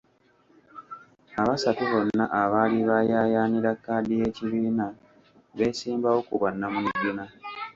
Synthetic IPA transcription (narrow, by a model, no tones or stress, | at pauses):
aβasatiβo̞nːaʔaβaːliβajaːjaːniɾakːaːldije̞ːciβiːna | βe̞ːsiːmbawo̞kuβanːamuuɟːuna